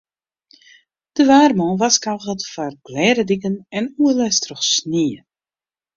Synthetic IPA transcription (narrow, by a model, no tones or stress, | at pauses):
d̥əʋaːrmɔ̃ʋaskalˠɣətfarɡ̥lɛːɾədikənɛnuəlɛstrɔxsniə